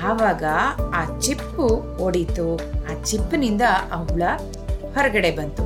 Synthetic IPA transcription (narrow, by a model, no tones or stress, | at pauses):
aːʋaːɡɐaːt͡ʃipːu | oɽit̪uaːt͡ʃipːnind̪ɐɐuɭɐ | hɔɾɐɡɐɽe̞bɐnt̪u